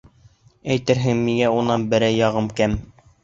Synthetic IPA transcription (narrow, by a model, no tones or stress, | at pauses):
æjt̪ɘɾɦɘŋmiŋæunɑnbɘ̆ɾæjːɑʁɤmkæm